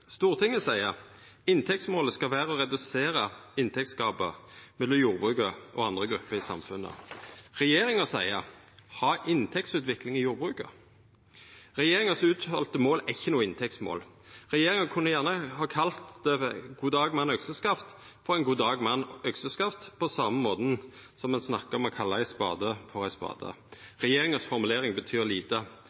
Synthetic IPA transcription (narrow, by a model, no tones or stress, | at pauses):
st̪uːʁt̪ʰɪŋːəsæɪə | ɪnt̪ʰɛk̚t̪smoːləskɑʋæːʁəɔʁɛd̪ʉseːɾəɪnt̪ʰɛk̚t̪skɑːbəmɛlːɔmjuːʁbʁʉːkəʔɔɑnd̪ʁəɡɾʉpːəɾɪsɑ̰mfʉnːə̰ʁɛjeːʁɪŋəsæɪə | hɑːʔɪnt̪ʰɛk̚tsʉːt̪ʋɪklɪŋɪjuːɾbʁʉːkə̰ | ʁɛjeːʁɪŋəsʉːt̪hɔlt̪əmoːlʔæɪçːənuːəɪnt̪ʰɛk̚t̪smo̰ːl | ʁɛjeːʁɪŋəkʰʉnːəjæʁnəhɑːkʰɑlt̪d̪ɛɡ̥uːd̪ɑːɡmɑnœksəskɑft̪ | fɔʁæɪnɡuːd̪ɑːɡmɑnːœɡsəskɑft̪pʰɔsɑmːəmoːd̪n̩ | sɔmːɛnsnɑkːəɾɔmɔkʰɑlːəæɪspɑ̰ːd̪əfɔʁæɪspɑ̰ːd̪ə̰ʁɛjeːʁɪŋəsfɔʁmʉleːʁɪŋbət̪ʰyːʁliːt̪ə